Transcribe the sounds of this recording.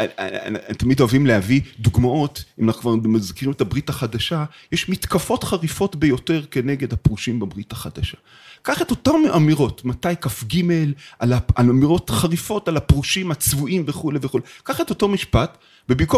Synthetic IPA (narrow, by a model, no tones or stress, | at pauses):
t̪amidoavimlehavid̪uɡmao̞timanaχukvaʁmazkiʁimetabʁitaχadaʃajeʃmitkafo̞tχaʁifo̞tbejo̞te̞ʁke̞neɡe̞dhapʁuʃimbabʁitaχad̪aʃa | kaχeto̞tameʔamiʁo̞tmatajkafɡime̞lʔalaalamiʁo̞tχaʁifo̞talapʁuʃimat͡svuʔimveχuleveχulekaχetoto̞miʃpat | bebiko